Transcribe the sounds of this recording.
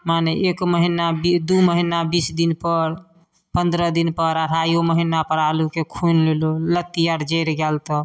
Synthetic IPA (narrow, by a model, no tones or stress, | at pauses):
maneʔekməɦinabid̪uməɦinabisd̪inpəɾ | pənd̪ɾəd̪inpəɾəɾ̤ajoməɦinapəɾalukekʰunlelolət̪ːijaɾd͡ʒeɾɡɛlt̪ɔ